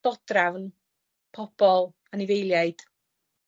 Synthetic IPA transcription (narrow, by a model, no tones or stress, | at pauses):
ɔdravn | pʰɔb̥ɔlˠ | anɪvejlˠjajd̥